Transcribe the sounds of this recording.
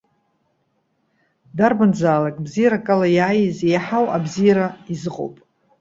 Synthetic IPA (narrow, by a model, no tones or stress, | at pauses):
darband͡zaːlakʼbzijaɾakʼalajaːjizejħawabzijaɾaizɨqʼo̰wpʼ